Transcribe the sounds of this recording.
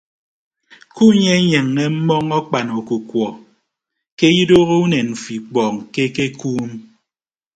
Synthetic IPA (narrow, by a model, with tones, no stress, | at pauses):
ku˦ɲe˦ɲe˨ŋːe˦m̩˦mɔ˦ŋɔ˦k͡pa˨no˨ku˨kwɔ˨ | ke˦ji˦do˦ɣo˦u˦ne˨nm̩˨fi˨k͡pɔː˨ŋ˨ke˦ke˦kuː˦m˦